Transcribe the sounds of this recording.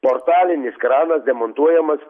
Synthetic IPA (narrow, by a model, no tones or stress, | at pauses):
pɔɾt̪aːlʲiniskɾaːnɐsd̪ɛmɔnt̪uɔjɛmɐs